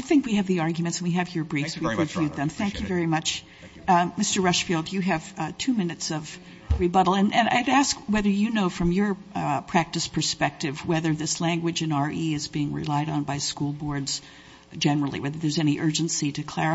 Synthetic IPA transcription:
aɪθɪ̃ŋkwiɨvðiɑɹɡjmɨ̃ntsn̩wiɨvjə˞bɹifswivɹɨvjʉd̪̚ðɨ̃mθæ̃ŋkʰjɨvɛɹimʌt͡ʃ | mɪstə˞ɹʌʃfilˠdjɨɨv̥tʰʉmɪ̃nɨtsʌv | ɹibʌɾl̩ˠɨ̃nʔɨ̃na̰ɪɾæskwɛðə˞jɨnoʊfɹʌ̃mjə˞pʰɹ̥æk̚tɨspʰə˞spɛk̚tɨvwɛðə˞ðɪslæ̃ŋɡwɨd͡ʒɨ̃nɑɹʔiɨzbiɪ̃ŋɹɪ̰laɪɾn̩baɪskulˠbɔɹdz̥ | d͡ʒɛnə˞l̩ˠḭwɛðə˞ðə˞zɛñiʔɜ˞d͡ʒɨ̃nsiɾɨkʰl̥ɛɹɨ

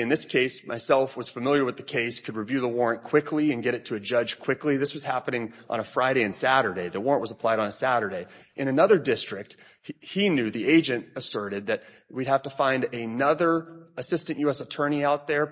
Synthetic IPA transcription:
ɨ̃nðɪskʰeɪsmʔaɪsɛlˠfwʌz̥fəmɪlˠjə˞wɨðɨkʰeɪskʰɨd̚ɹivjʉðəwɔɹɨ̃nkʰw̥ɪkʰliɨ̃nɡɛɾɨtʰɨɨd͡ʒʌ̥ʒ̥kʰw̥ɪkliðɪswʌz̥hæpɨnɪ̃ŋʔə̰̃ñəfɹaɪɾeɪɨ̃nsæɾə˞ɾeɪðəwɔɹə̃nʔwʌzəpʰl̥aɪɾn̩əsæɾə˞ɾeɪʔɨ̃ɾ̃ɨnʌðə˞dɪstɹ̥ɨk̚t̚ | hinjʉðieɪd͡ʒɨ̃ntəsɜ˞ɾɨd̪̚ðɨt̚ | wid̚hæftəfãɪ̃ndɨnʌðə˞ɨsɪstɨ̃nʔjʉɛsətʰɜ̃˞ɾ̃iaʊt̪̚ðə˞

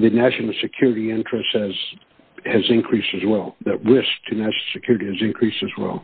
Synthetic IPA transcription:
ðɨnæʃnl̩ˠsɨkʰj̥ʊɹɨɾiɪ̃nt͡ʃɹ̥ɨsthɨz̥ | hɨzɨ̃nkʰɹ̥istɨzwɛlˠðɨt̚ɹɪsk̚tʰɨnæʃnl̩ˠsɨkʰj̥ʊɹɨɾiɨzɨ̃nkʰɹ̥istɨzwɛ̰lˠ

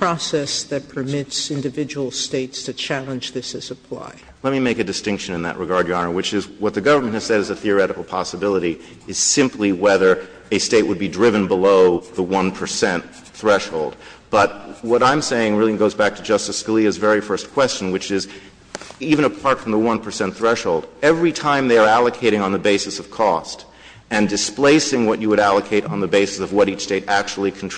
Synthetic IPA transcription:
pʰɹ̥ɔsɛsðɨt̚pʰə˞mɪtsɪ̃ndɨvɪd͡ʒəwl̩ˠsteɪtstʰɨt͡ʃʰælˠə̃nd͡ʒðɪsɨsɨpʰl̥a̰ɪ | lɛt̚mimeɪkɨdɨstɪ̃ŋkʃɨ̃nɨ̃nðɨ̰ʔɹʔɨɡɑɹdjɨɑnə˞wɨt͡ʃɪzwʌt̪̚ðɨɡʌvə˞mɨ̃nthɨz̥sɛɾɨzɨθiə˞ɛɾɨkl̩ˠpʰɑsəbɪlˠəɾi | ɨz̥sɪ̃mpʰliwɛðə˞ | ɨsteɪʔ̚wəd̚bidɹɪvɨ̃nbəloʊðəwʌ̃npʰə˞sɛ̃nt̪ | θɹɛʃhoʊlˠd̚ | b̥ʌt̚wʌɾãɪ̃mseɪɪ̃ŋɹɪlˠĩŋɡoʊzbæk̚tʰɨd͡ʒʌstɨsɡəliɨzvɛɹifɜ˞skʰw̥ɛst͡ʃn̩wɨt͡ʃɪz | ivɨ̃ñəpʰɑɹtfɹʌ̃mðəwʌ̃npʰə˞sɛ̃nθɹɛʃhoʊlˠdɛvɹitʰãɪ̃mðeɪə˞ælˠɨkʰeɪɾɪ̃ŋə̃nðəbeɪsɨsʌv̥kʰɔst | ɨ̃ndɨspleɪsɪ̃ŋwʌt͡ʃɨwɨɾælˠəkʰeɪɾn̩ðəbeɪsɨsʌvwʌɾit͡ʃsteɪɾæk̚t͡ʃul̩ˠikʰn̩tʰ

